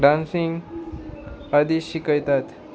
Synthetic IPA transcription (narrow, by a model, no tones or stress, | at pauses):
ɖãnsiŋɡ | ad̪iɕikəjt̪at̪